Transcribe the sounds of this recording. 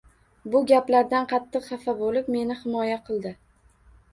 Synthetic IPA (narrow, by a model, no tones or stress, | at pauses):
bʊɡʲaplaɾd̪anqʰɑt̪ʰːɨqχɑfabolɪpme̞nɪhɪmɒjaqʰɨlˠd̪ɪ